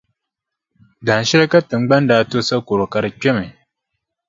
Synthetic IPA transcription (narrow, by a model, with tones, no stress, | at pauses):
da˨n˨ʃi˦ɾa˦ka˦tɨ˨ŋ͡mɡ͡ba˦n˦da˨˦˨to˦sa˦ko˨ɾo˨ka˦ɾɨ˦kʲe˦me˨